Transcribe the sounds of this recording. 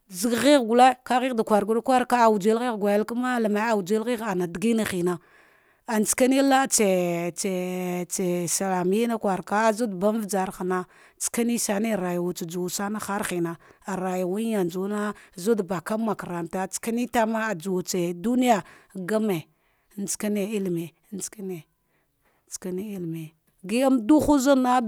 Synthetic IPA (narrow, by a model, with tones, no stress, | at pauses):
zi˨˦ɡɣi˦ɣɡu˨le˦ka˦ɣi˦ɣda˨kʷa˨ɾɡu˦ɾkʷa˦ɾka˦˨wu˨d͡ʒe˦lɣi˦ɣɡʷa˨ja˦lka˦ma˦la˨ma˨˦a˨wd͡ʒe˦lɣi˦ɣa˨na˨dɡi˦na˨xi˨na˨ | a˨nt͡ska˦ni˦la˦t͡se˨t͡se˨t͡se˨sa˨la˨mi˦na˦kwa˨ɾka˦zu˦dba˦m˦vd͡za˨ɾxa˨na˦ | t͡ska˦ni˦sa˨ni˦˨ɾa˨jwu˨t͡ʃa˨d͡ʒu˨sa˦na˦xa˦ɾxi˨na˨a˨ɾa˨ja˨wu˦a˨nd͡ʒu˨˦na˦zu˦dba˨ka˦ma˨ka˨ɾa˨mta˦t͡ska˦ni˦ta˦ma˦˨d͡ʒu˨t͡se˨du˦ni˦ja˨ɡa˦me˨ | n˦t͡ska˦ne˨i˦lme˨˦n˦t͡ska˦ne˨ | t͡ska˦ni˦i˦lme˨ | ɡi˦a˦mdu˦xu˦zu˦na˦